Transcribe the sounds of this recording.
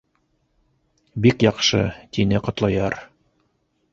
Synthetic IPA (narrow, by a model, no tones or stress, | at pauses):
bikjɑqʃɤ̰t̪inɘqŏt̪lˠɑjɑɾ